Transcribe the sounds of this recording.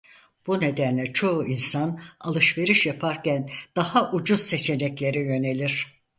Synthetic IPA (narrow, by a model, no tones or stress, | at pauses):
b̥une̞d̪ænlʲɛt͡ʃʰo̞uinsanalˠɯʃve̞ɾiʃjapʰaɾcænd̪̥ahaʔud͡ʒuz̥se̞t͡ʃʰe̞nɛclʲe̞ɾijø̞ne̞lʲiɾ̥